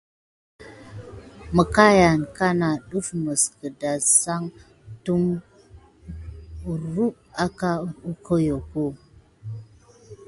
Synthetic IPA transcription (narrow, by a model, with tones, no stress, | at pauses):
mə˨ka˦ja˨nka˦na˨ɗu˦fmə˨skə˨da˨sa˦ŋ | tu˦m˨ | ɾu˦p̚a˦ka˦u˦ko˦jo˨ko˦